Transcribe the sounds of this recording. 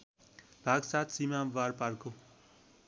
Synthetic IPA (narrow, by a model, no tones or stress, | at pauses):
b̥ʱaɡsat̪simãʋaɾpaɾko